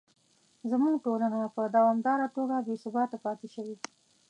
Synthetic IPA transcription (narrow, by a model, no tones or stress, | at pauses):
zəmuɡʈolanapəd̪awɑmd̪ɑɾat̪oɡabesʊbɑt̪apɑt̪ɪʃəwi